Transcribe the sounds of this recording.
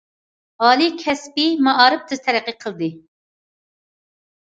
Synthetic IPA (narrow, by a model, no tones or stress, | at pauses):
ɑːlˠikʲʰɛspimɑʔɑːɾɨp̚t̪ʰɨz̥t̪ʰɛɾɛqːɨqʰəlˠd̪ɨ